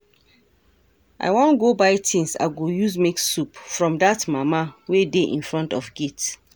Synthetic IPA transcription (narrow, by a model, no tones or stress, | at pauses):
ʔa̰ɪwɔ̃nɡobaɪtʰĩnsa̰ɡojuzmeksupfɹɔ̃mdatmamawedeʔḭ̃nfɹɔ̃ntɔfɡet